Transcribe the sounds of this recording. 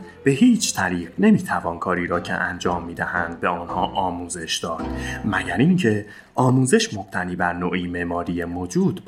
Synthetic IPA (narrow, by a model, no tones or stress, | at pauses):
b̥e̞ɦiːt͡ʃʰt̪ʰæɾiːɢne̞miːt̪ʰævɒːnkʰɒːɾiːɾɒːcʰḛʔænd͡ʒɒːmːiːd̪æhænd̪̚be̞ɔnhɒːʔɒːmuːze̞ʃd̪̥ɒːd̪̥mæɟæɾiŋcʰe̞ | ɒːmuːze̞ʃmo̞b̥̚t̪ʰæniːbæɾnoːʔiːmemɒːɾiːjemod͡ʒuːd̪̥